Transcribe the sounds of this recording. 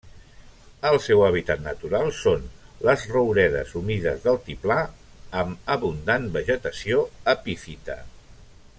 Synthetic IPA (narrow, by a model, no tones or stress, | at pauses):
əlˠsɛwəβ̞it̪at̪nət̪uɾalˠsonləzrəwɾɛðə̰zumiðəzðəlˠt̪ipla | əməβund̪anbəʒət̪əsioəpifit̪ə̰